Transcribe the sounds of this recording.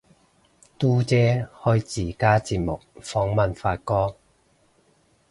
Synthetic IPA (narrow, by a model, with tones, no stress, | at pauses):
t̪uː˥t͡sɛː˨˥hɵ˥ɥt͡siː˨˩kaː˥t͡siː˧p̚mʊ˨k̚fɔː˨˥ŋmɐ˨nfaː˧˥t̚kɔː˥